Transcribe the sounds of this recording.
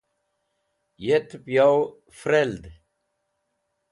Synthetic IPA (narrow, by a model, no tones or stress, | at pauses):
jet̪pjaw | fɾeld̪